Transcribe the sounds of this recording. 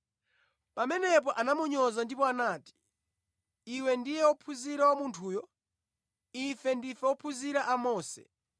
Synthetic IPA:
pamɛnɛp̬ɔʔanamuɲɔzandipɔanaːti̥ | iwɛndijɛwɔpʰuziɾawamuntʰuːjɔ | ifɛndifɛwɔpʰuziɾaʔamɔːsɛ̰

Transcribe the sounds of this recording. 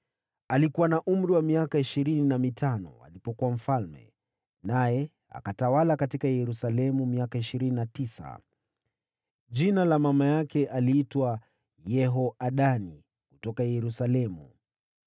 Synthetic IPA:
alikuwanaʔum̩ɾiwamiakaiʃiɾininamitanɔ̰a̰lipɔkuwam̩falmɛ̰ | najɛ | a̰katawalakatikajɛɾusalɛmumiakaiʃiɾininatisa̰ | ʄinalamamajakɛʔaliːtwa | jɛɦɔʔaɗani | kutɔkajɛɾusalɛmṵ

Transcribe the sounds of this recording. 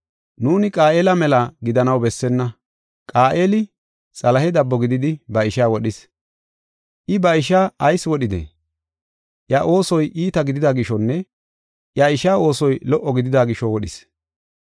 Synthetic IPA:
nuːnɪkʼaːʔeːlɐmɛlaɡɪd̪ɐnɐwbɛsːɛnːɐ | kʼaːʔeːlɪ | t͡sʼɐlɐɦɛd̪ɐbːɔɡɪd̪ɪd̪ɪbɐɪʃaːwɔɗɪs | ʔɪbɐɪʃaːɐjswɔɗɪd̪ḛ | ʔjaʔo̞ːsɔjʔiːt̪ɐɡɪd̪ɪd̪aɡɪʃɔnːɛ | ʔjaɪʃaːo̞ːsɔjlɔʔːɔɡɪd̪ɪd̪aːɡɪʃɔwɔɗɪs

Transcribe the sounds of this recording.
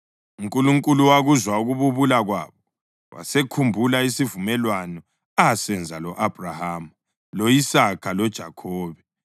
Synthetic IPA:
uŋkʼuluŋkʼuluwaɣuzwauɣuβuβulaɣwa̰ːβɔ | wa̰sekʰumbʱulaisivumɛlwanɔ | asɛnd͡zʱalɔʔab̥ʱrahaːmu | lojisakʰalɔd̥ʒ̥ʱakʰɔːβɛ

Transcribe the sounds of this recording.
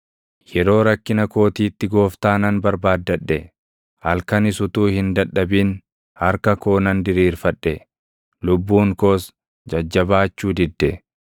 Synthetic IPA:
jɛɾo̞ːɾɐkːɪnɐko̞ːt̪iːt̪ːɪɡo̞ːft̪aːnɐnbɐɾbaːd̪ːɐᶑːɛ | hɐlkɐnɪsʊt̪uːhɪnd̪ɐᶑːɐbiːn | hɐɾkɐko̞ːnɐnd̪ɪɾiːɾfɐᶑːɛ | lʊbːuːŋko̞ːs | d͡ʒɐd͡ʒːɐβaːt͡ʃːuːd̪ɪd̪ːɛ

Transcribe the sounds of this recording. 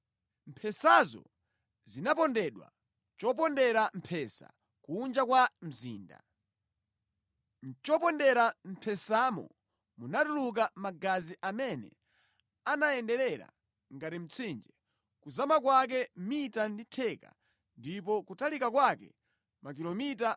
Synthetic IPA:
m̩pʰɛsazɔ̰ | zinapɔndɛɗwa̰ | t͡ʃɔp̬ɔndɛɾam̩pʰɛsa̰ | kuːnd͡ʒakwam̩zḭːnda̰ | nt͡ʃɔpɔndɛɾam̩pʰɛsamɔ̰ | munatuluk̬amaɡaziʔamɛnɛ̰ | anaɛndɛɾɛɾa̰ | ŋɡatim̩t͡sʰind͡ʒɛ | kuzamakwak̬ɛmitanditʰɛka̰ | ndipɔkutalikakwakɛ̰ | mak̬ilɔmita

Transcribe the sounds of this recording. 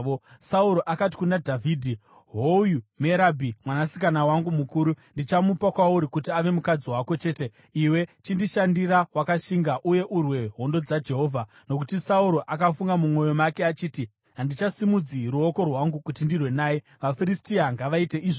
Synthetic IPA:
osauɾo̞ʔakati̥kunadʱavʱiːdʱi | ɦojume̞ɾabʱimwanasikanawaŋɡumukuːɾundit͡ʃamupakwauɾikutiaʋe̞mukad͡ziwako̞t͡ʃe̞ːte̞ | iwe̞t͡ʃindiʃandiɾawakaʃiŋɡaʔuje̞ʔurwe̞ɦo̞ndo̞d͡zad͡ʒe̞ɦo̞ːvʱa | no̞k̬utisauɾo̞ʔakafuŋɡamumo̞jo̞makeat͡ʃiːti | ɦandit͡ʃasimud͡ziruoko̞rwaŋɡukutindirwe̞naːji | ʋafiɾistiaŋɡaʋaite̞ʔiʐo

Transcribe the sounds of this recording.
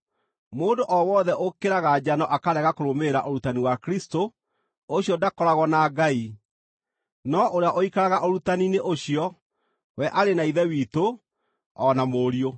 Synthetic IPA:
moːndoʔɔwɔðɛʔokeɾaɣad͡ʑanɔʔakaɾɛɣakoɾomeɾaʔoɾutaniwakɾisto | oɕjɔdakɔɾaɣɔnaɡai | nɔʔoɾeaʔoikaɾaɣaʔoɾutanineʔoɕiɔ | wɛʔaɾenaiðɛwiːto | ɔnamoːɾio

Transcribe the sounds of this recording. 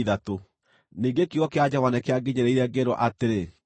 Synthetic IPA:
ðato | niŋɡekiɣɔkead͡ʑavanɛkeaɡeɲɛɾɛiɾɛɡeɾɔʔateɾe

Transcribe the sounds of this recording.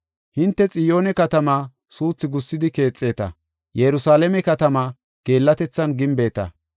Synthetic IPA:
hɪnt̪ːɛt͡sʼɪjo̞ːnɛkɐt̪ɐmaː | suːt͡sːɪɡʊsːɪd̪ɪke̞ːt͡sʼːe̞ːt̪ɐ̰ | jɛɾʊsaːlɛmɛkɐt̪ɐmaː | ɡ̥e̞ːlːɐt̪ɛt͡sːɐnɡɪmbe̞ːt̪ɐ̰

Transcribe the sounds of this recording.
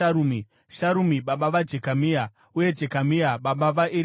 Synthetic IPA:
aɾumi | ʃaɾumiɓaɓaʋad͡ʒe̞kamia | uje̞d͡ʒe̞kamiaɓaɓaʋaʔi

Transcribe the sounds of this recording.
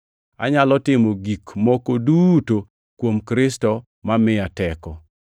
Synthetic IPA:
a̰ɲalɔtɪmoɡikmɔkoduto | kwomkɾɪstɔ | mamɪatɛkɔ

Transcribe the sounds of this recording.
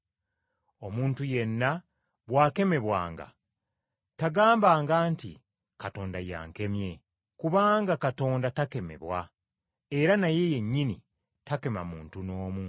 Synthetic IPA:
o̞muːntuje̞nːa | βwaːke̞me̞βwa̰ːŋɡa̰ | taɡaːmbaːŋɡaːntḭ | kato̞ːndaja̰ːŋke̞mje̞ | kuβaːŋɡakato̞ːndatake̞me̞̰βwa | e̞ɾanaje̞je̞ɲːini | take̞ma̰muːntuno̞ːmu

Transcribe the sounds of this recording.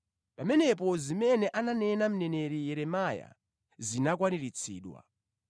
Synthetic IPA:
pamɛnɛp̬ɔzimɛnɛʔananɛnam̩nɛnɛɾijɛɾɛmaja̰ | zinak̬waniɾit͡sʰḭːɗwa̰

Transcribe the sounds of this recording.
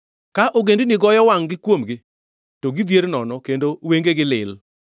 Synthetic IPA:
kaʔoɡendinɪɡɔjɔwaŋɡɪkwomɡɪ | toɡid̪jeɾnɔnɔkendoweŋɡeɡɪlɪ̰l

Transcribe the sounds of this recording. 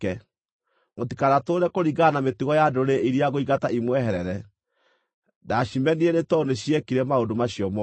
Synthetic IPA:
ɛ | motikaɾatoːɾɛkoɾiɣanametiɣɔjadoɾeiɾiaɣoiɣataimwɛɦɛɾɛɾɛ | daɕimɛniɛnetɔneɕiɛkiɾɛmaodomaɕijɔmɔ

